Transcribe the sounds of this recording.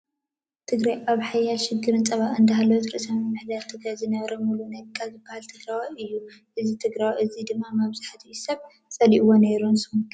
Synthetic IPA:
t̪ʰɨɡɾajʔaβħajalʃɪɡːɨɾɨnt͡sʼɐβaʔɨnd̪ɐɦalowt̪ɾɨ̰ʔsɐmimɨħd̪alt̪ʰɨɡɾajzɨnɐβɾɐmulunakʰʼːazɨbːahalt̪ʰɨɡɾawɨjːu | ʔɨzit̪ʰɨɡɾawʔɨzid̪ɨmːamaβzaħat̪ʰijusɐβ | sʼɐliʔwoneɾunsɨun

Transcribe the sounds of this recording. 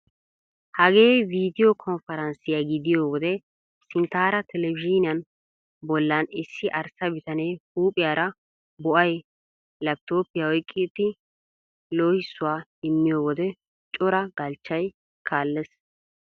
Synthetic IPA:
hɐɡe̞ːjviːd̪ɪjɔkʰɔnfɛɾɐnsɪjaɡɪd̪ɪjoːwɔd̪ɛ | sɪnt̪aːɾɐt̪ʰɛlɛbɪd͡ʒɪnɪjɐn | bɔlːɐnɪsːɪʔɐɾsɐbɪt̪ɐnɛjhuːpʼɪjaːɾɐ | bɔʔɐj | lɐp̚t̪oːpɪjawɔjkʼːɪt̪ːɪ | loːhɪsːʊwaːɪmːɪjoːwɔd̪ɛ | t͡ʃʼɔɾɐɡɐlt͡ʃːɐj | kʰaːlːɛs

